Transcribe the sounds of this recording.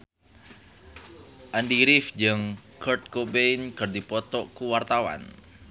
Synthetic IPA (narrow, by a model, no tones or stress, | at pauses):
ʔand̪iɾifd͡ʒəŋkərt̪̚kobenkərd̪ipɔt̪ɔkuwart̪awa̰n